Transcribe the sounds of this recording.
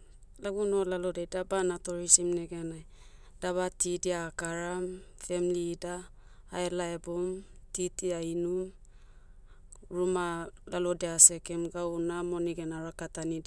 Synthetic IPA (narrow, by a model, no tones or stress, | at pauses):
laɡuno̞lalodejdabanatoɾisimneɡeanaj | d̥aβatidiaːkaɾamfe̞mlidaː | elaebomtitiainum | ɾumalalo̞dease̞kemɡawnamo̞niɡenaɾakatanid